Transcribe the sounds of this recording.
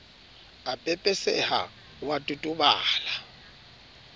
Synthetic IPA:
apʼɛpʼɛsɛ̰ha̰ | watʼutʼʊbaːla

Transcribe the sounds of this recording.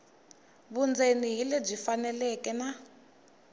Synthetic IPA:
βund͡zeniɦilɛb͡ʐifanɛlɛkɛna

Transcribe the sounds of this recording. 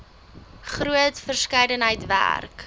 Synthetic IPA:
χruətfərskəjdənɦəjtvæ̰rk

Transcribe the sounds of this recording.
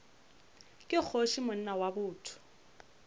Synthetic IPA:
kʼɪk͡xʰoʃimʊn̩nawabʊːtʰʊ̥

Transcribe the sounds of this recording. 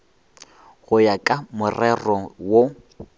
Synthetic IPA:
ɣʊjakʼamʊrɛrɔwo

